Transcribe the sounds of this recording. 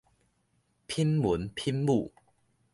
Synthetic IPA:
pʰi˦˥nmu˨˦npʰi˥nmu˥˨

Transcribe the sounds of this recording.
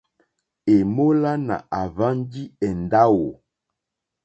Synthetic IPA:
e˨mo˦la˦na̰˨ʔa˨va˦ndi˦ɛ˨nda˦wo˨

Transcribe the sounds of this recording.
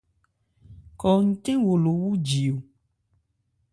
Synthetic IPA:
kɔ˨ŋ̩˦tẽ˦wo˨lo˨wu˦d͡ʒi˨o˨

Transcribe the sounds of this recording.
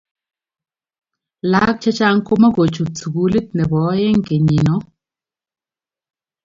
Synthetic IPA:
la˦k̚t͡ʃa˦t͡ʃa˦ŋ̩˦ko˦ma˦ko˨t͡ʃu˨tt͡su˨bu˨˦li˦t̚nɛ˨bɔ˨˦je˦ŋ˨ke˨ɲi˨nɔ˨˦

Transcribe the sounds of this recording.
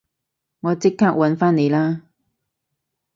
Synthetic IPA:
ŋɔː˨˧t͡sɪ˥kʰːaː˥k̚wɐ˨˥nfaː˥nne˨˧jlaː˥

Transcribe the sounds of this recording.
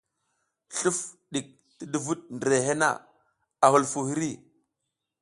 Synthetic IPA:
ɬu˦fɗi˨k̚ | ti˦du˨vu˦ɗ̚ndɾe˨ɦe˦na̰˦˨ | a˨hu˨lfu˨hi˦ɾi˦

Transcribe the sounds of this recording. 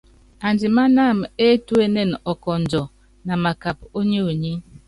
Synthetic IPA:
a˨ndi˨ma˦na˦˨me˦tu˦e˦ne˦˨nɔ˨kɔ˨n̩˨d͡ʒɔ˨ | na˨ma˨ka˨p̚o˦ɲe˦o˨ɲi˦

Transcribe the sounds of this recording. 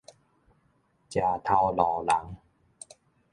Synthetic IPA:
t͡ɕjaː˨˩t̪ʰa˧wlɔː˨˩la˨˦ŋ

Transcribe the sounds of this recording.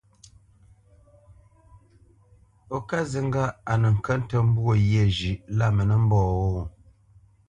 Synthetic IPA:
o˨ka˦zi˨ŋ˦ɡa˦a˨nə˨ŋ̩˨kə˦n˦tə˦m̩˦bwo˦˨je˦˨d͡ʒʉ˨ʔla˦˨mə˨nə˦m̩˦bɔː˦˨wo˦˨

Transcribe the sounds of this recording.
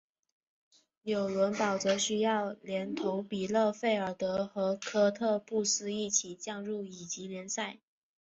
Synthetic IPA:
njo˨˩ʊlwə˧˥npɑ˨˩ʊt͡sɤ˧˥ɕy˥jɑ˥˩ʊljɛ˧˥nt̪ʰo˧˥ʊpi˨˩lɤ˥˧fe˥˩ɪə˞˨˩t̪ɤ˧˥xɤ˧˥kʰɤ˥t̪ʰɤ˥˧pu˥˩sɹ̩˥i˥˩t͡ɕʰi˨˩t͡ɕjɑ˥˧ŋɻu˥˩i˨˩t͡ɕi˧˥ljɛ˧˥nsa˥˩ɪ

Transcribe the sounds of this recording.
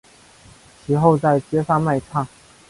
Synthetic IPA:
t͡ɕʰi˧˥xo˥˧ʊt͡sa˥˩ɪt͡ɕjɛ˥ʂa˥˧ma˥˧ɪʈ͡ʂʰɑ˥˩ŋ

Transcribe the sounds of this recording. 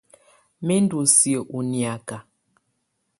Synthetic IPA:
me˦n˦du˨sjə˨ʔu˨nja˨ka˨

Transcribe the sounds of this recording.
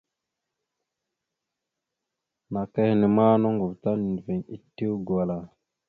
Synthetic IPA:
na˨ke˦hi˨ne˨ma˦no˦ŋɡu˨vta˦n˨n˨ve˨ŋḭ˦tːi˦wɡwa˨la˨

